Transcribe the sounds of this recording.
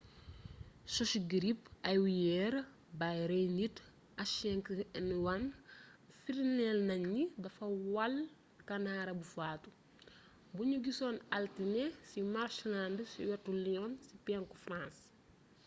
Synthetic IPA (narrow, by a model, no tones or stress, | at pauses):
sɔʃɡiɾipɐjwijɛɾ | bajɾɛjnit | ɐʃɛŋkɛnwan | fiɾnɛlnɐɲːidɐfɐwɐl | kɐnaɾɐbufaːtu | buɲuɡisɔːnaltinɛsimaɾʃlandsḭwɛtːuliɔnsipɛŋkufrãns